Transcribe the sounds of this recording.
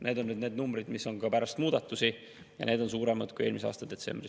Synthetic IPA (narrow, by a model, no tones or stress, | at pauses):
ne̞ːd̪o̞nːyd̪ne̞ːd̪numbɾid̪misːo̞nɡɑpæɾɑst̪muːd̪̥ɑt̪ːˑusi | jɑ̰ne̞ːd̪̥o̞nsuːɾe̞mɑd̪̥̚kuje̞ːlmiseɑ̰ːst̪ɑd̪e̞t̪se̞̰mb̥ri